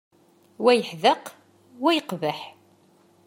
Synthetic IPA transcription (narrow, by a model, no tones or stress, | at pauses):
wæjəħðəq | wæjəqvəħ